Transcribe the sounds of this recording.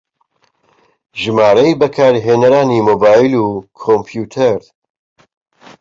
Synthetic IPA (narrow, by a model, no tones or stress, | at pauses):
ʒɨmaːɾɐjbɐkʰaːɾiɦeːnɐɾaːniːmoːbaːjiluːkʰompʰjuːt̪ʰɐɾ